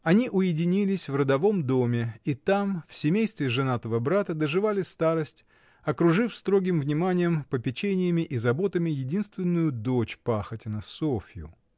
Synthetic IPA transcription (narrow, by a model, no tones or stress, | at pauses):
ɐnʲiʔʊjɪdʲɪnʲilʲɪsʲvrəd̪ɐvo̞md̪o̞mʲɪit̪amfsʲɪmʲejst̪vʲɪʐɨnat̪əvəbɾat̪əd̪əʐɨvalʲɪst̪aɾəsʲtʲ | ɐkɾʊʐɨfst̪ɾo̞ɡʲɪmvnʲɪmanʲɪjəmpəpʲɪt͡ɕenʲɪjəmʲɪʔizɐbo̞t̪əmʲɪjɪdʲinst̪vʲɪnːʊjʊd̪ot͡ɕpaxətʲɪnəsofʲɪjʊ̰